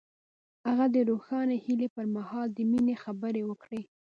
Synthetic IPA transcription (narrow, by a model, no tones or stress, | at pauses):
aɣad̪əɾoxɑnehilepəɾmahɑld̪əminexabəɾewəkɽe